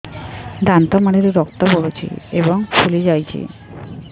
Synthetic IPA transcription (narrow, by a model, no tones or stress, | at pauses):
d̪ant̪ɔmaɽiɾiɾɔk̚t̪ɔpoɽut͡ɕʰḭebɔŋfulid͡ʑajt͡ɕʰḭ